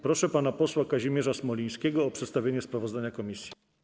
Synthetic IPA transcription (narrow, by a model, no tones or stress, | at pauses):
pɾɔʂɛpanapɔswakaʑimʲjɛʐasmɔlʲĩj̃skʲɛɡɔːpʂɛt̪st̪avʲeɲɛspɾavɔzd̪aɲakɔmʲisʲji̥